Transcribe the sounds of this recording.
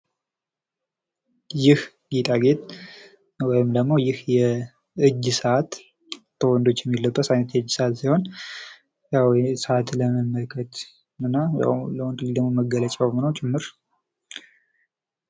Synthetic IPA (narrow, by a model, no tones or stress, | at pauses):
jɪh | ɡit̪ʼaɡet̪ʼ | wɔjɪmd̪əɡmo̞jɪhjɛ | ɨd͡ʒːsəʔat̪ːʰ | əwɔnd̪o̞t͡ʃːjɛmːilːəbːət̪ajnət̪jɛɨd͡ʒːsəat̪siho̞n | jawsəat̪ləməməlkʰət̪ | ɨnːaja̰wləwnt̪ɨlːild̪əɡmoməɡələt͡ʃʼawmnəwt͡ʃʼɪmːɨɾ